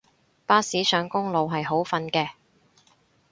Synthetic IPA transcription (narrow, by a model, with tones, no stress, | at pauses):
paː˥siː˨˥sœː˨˥ŋkʊ˥ŋlo˨wɦɐ˨jɦo˨˥wfɐ˧nkɛː˧